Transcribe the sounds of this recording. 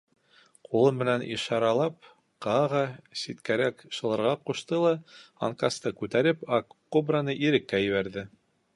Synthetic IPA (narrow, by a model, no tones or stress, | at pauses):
qulˠɤmmɘ̆nænʔḭʃɑɾɑlˠɑp | qɑʁɑsʲit̪kæɾækʃɤ̆lˠɤ̆ɾʁɑquʃt̪ɤlˠɑɑ̰ŋkɑst̪ɤkʉt̪æɾɘpɑkː | obranɤʔiɾɘ̆kːæjɘ̆βæɾðɘ